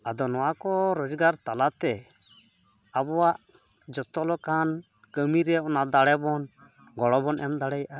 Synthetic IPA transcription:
ad̪ɔnɔwakɔɾɔd͡ʒɡaɾt̪alat̪ɛ | abɔwaʔ | d͡ʒɔt̪ɔlɔkan | kəmiɾɛɔnad̪aɽɛbɔn | ɡɔɽɔbɔnʔɛmd̪aɽɛjaʔa

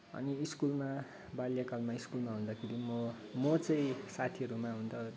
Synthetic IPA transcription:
ʌ̰niːskulma | baljakalmaiskulmaɦũnd̪akʰeɾimʌ | mʌt͡sʌĩsat̪ʰiʌɾumaɦunt̪ʰʌ

